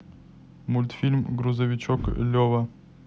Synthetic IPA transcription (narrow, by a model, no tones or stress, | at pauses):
mʊlʲt̪fʲilʲmɡɾʊzɐvʲɪt͡ɕoklʲovɐ